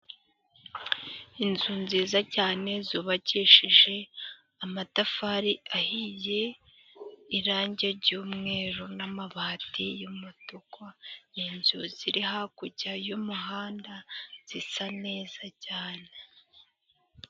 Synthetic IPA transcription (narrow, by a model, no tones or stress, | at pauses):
inzunziːzacaːne̞zuːβaciʃiʒe̞ | amatafaɾiahije̞ | iɾaːɲɟeɾɟuːmŋe̞ːɾunamaβaːtijumutukwaninzuziɾiɦakuɟajumuɦaːndaz̥isane̞ːzacaːne